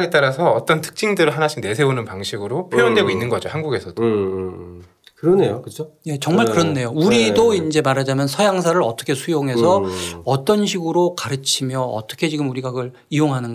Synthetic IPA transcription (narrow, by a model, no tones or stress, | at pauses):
et͈aɾasʰʌːt͈ʌntʰɯ̥k̚t͡ɕ͈ʰiŋdɯɾɯɭɦanaɕʰiŋne̞sʰebonɯnpaŋɕʰiɡɯɾopʰjoʌndwe̞ɡoinːɯnɡʌd͡ʑohanɡuɡe̞sʰʌd̥o | kɯɾʌne̞jokɯt͡ɕʰoje̞t͡ɕʌŋmaɭkɯɾʌnːe̞jouɾidoind͡ʑe̞maɾɦad͡ʑamjʌnsʰʌjaŋs̬ʰaɾɯɾʌt͈ʌkʰe̞sʰujoŋɦe̞sʰʌʌt͈ʌnɕʰiɡɯɾokaɾɯt͡ɕʰimjʌʌ̰t͈ʌkʰe̞t͡ɕiɡɯmuɾiɡaɡɯɾ | ioŋɦanɯnɡ